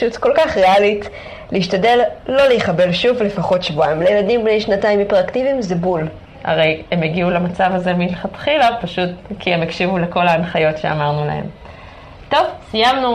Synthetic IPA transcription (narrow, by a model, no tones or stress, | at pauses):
ʃutko̞lkaχʁealit | leiʃtade̞lːo̞lejiχabe̞lʃuvle̞faχo̞tʃvoaimlejeladimbnejʃnataimipeʁaktivimzebul | ha̰ʁe̞je̞meɡiulamat͡savaze̞milχatχilapaʃutkiemekʃivuleko̞laːnχajo̞tʃe̞a̰maʁnula̰he̞̰m | to̞vsijamnu